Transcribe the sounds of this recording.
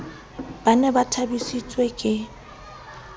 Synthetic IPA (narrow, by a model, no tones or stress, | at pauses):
b̥anɛbatʰabisit͡sʼwekʼɪ